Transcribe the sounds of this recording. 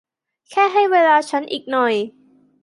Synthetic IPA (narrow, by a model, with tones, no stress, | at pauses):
kʰɛː˥˩ɦa˥˩jweː˧laː˧t͡ɕʰa˦˥nʔiː˨˩k̚nɔ˨˩j